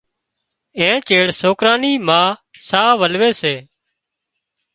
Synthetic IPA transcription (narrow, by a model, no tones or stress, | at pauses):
ẽːt͡ʃeːɽsoːkɾaːniːmãːsaːʋəlʋeːseː